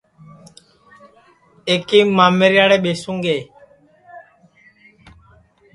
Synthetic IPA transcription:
eːkiːmaːmeːɾjaːɽeːɓeːsũːŋɡeː

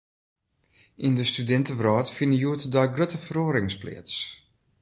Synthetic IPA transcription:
ʔindəstydɛntəʋrɔːtfinəjuətədɔjɡrøtəfəɾoːɾɪŋsplɪ̰ːəts

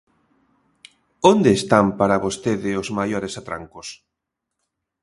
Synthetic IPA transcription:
ond̪eːst̪ampaɾaβost̪eðɪozmajoɾesat̪ɾa̰ŋkʊs

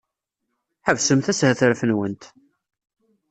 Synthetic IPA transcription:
ħəvsəmθæshəθəɾfənwənt̪

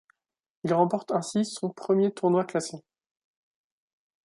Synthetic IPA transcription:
ilʁɑ̃pɔʁt̪ɛ̃sisɔ̃pχəmjet̪ʰuʁnwaklase

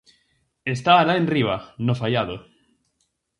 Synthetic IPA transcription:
est̪aːlaẽnriβ̞anofajaðo

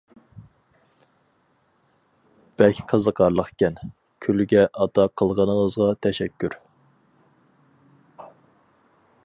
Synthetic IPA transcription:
b̥ɛlkʲʰqʰəzəqʰɑɾlˠəqkʲʰɛn | kʲʰylɡʲɛʔɑd̪ɑqʰəlˠʁɑnəŋəzʁɑt̪ʰɛʃɛkʲʰːyɾ

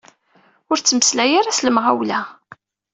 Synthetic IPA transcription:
ʊɾt͡sːəməslæjaɾasləmʁæ̰wlæ

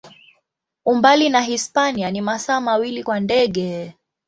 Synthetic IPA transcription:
umbalinaɦispanianimasaːmawilikwandɛɠɛ

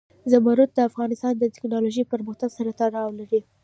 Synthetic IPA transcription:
zamaɾut̪̚d̪əafɣɑnɪst̪ɑnd̪ət̪ɪ̥knɑloʒəjpəɾməxt̪aɡsaɾat̪aɽɑwlaɾi

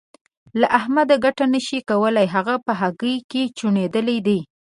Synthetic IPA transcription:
laʔahmad̪aɡaʈanəʃikawəlajɦaɣapəɦaɡəjket͡ʃuɳed̪əlid̪i

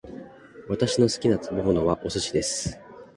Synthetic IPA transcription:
βat̪aɕino̞sɨ̥kʲinat͡sɨbomono̞βaʔo̞sɨɕid̪e̞sɨ̥

